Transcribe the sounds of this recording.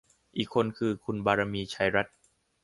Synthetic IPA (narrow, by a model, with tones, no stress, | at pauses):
ʔiː˨˩kʰːo˧nkʰɯː˧kʰu˧nbaː˧ɾa˧miː˧t͡ɕʰa˧jɾa˦˥t̪̚